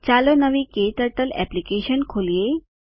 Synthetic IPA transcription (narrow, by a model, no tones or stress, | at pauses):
t͡ɕalonəʋikeʈ̪əɾʈəlɛ̰plikeɕənkʰolije